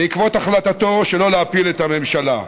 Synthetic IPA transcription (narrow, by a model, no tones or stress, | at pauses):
ikvo̞t̪aχlat̪at̪o̞ʃelo̞leapilet̪ame̞mʃala̰